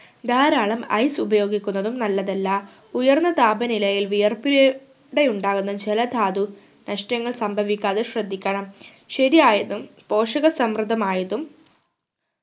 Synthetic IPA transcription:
d̪ʱaːɾaːɭɐmɐ̰jsubɐjo̞ːɡikʲːunːɐðumnɐlːɐðelːaː | ujɐrnːɐt̪aːbɐnilɐjilʋijɐrpiɾɐ | ɽe̞juɳɖaːɣunːɐd͡ʑelɐd̪ʱaːd̪u | nɐʂʈjɐŋːɐɭsɐmbʱɐʋikʲːaːðeɕrɐd̪ʱːikʲːɐɳɐm | ɕeðijaːjɐðumpo̞ːʂɐɣɐsɐmrɨd̪ʱɐmaːjɐðum

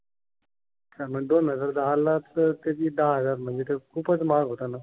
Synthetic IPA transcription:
t͡ɕam̤əɡd̪onɦəd͡zəɾd̪aɦalːat͡sət̪et̪iːd̪aɦəd͡zaɾm̤əɳd͡zet̪ekʰuːpət͡smaɡɦot̪ana

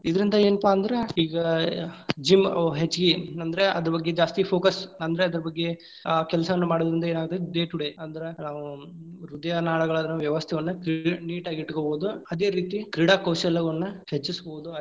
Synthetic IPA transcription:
id̪ɐɾind̪ɐe̞ːnpaːɐnd̪ɐɾe̞iːɡɐ | d͡ʒimɦet͡ʃːɡiɐnd̪ɐɾeɐd̪ɐɾɐbɐɡːed͡ʒaːst̪ipʰoːkɐsɐnd̪ɐɾeɐd̪ɐɾɐbɐɡːe̞ | kɛlɐsɐʋɐnːumaːɽiod̪ɐɾind̪ɐe̞ːnaːɡ̚t̪ːed̪eːʈuɽeɐnd̪ɐɾenaːʋu | ɾud̪ɐjanaːɭɐɡɐɭaːd̪ɐnuʋjɐʋɐst̪ʰɛʋɐnːukɾiniːʈaːɡiʈkoboːd̪uɐd̪eːɾiːt̪ikɾiɽaːkɐwsɛlːɐɡɐnːɐhet͡ʃːiskooːd̪u

